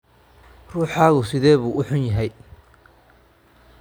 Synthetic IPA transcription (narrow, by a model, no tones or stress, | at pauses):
ruːħaːɣʊsɪðɛːβuːʔʊħʊnjɐɦɛj